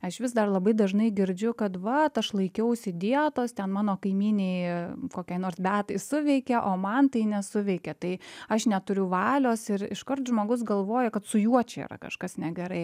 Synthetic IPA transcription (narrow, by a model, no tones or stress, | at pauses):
ɐʃʋʲɪsd̪ɐrlˠɐbɐɪd̪ɐʒnɐɪɡʲɪɾʲd͡ʒʲʊkɐt̪ʋɐt̪ɐʃlˠɐɪkʲɛʊsʲɪd̪ʲiɛt̪oːst̪ʲɛnmɑːnoːkɐɪmʲiːnʲeɪkoːkʲɛɪnoːɾsbʲæːt̪ɐɪsʊʋʲɛɪkʲɛʔoːmɐnt̪ɐɪnʲɛsʊʋʲɛɪkʲɛt̪ɐɪɐʃnʲɛt̪ʊɾʲʊʋɑːlʲoːsɪɾɪ̰ʃkɐrt̪ʒmoːɡʊsɡɐlˠʋoːjɛkɐt̪sʊjuɔt͡ʃʲɛḭɾɐ̰kɐ̰ʃkɐsnʲɛɡʲɛɾɐɪ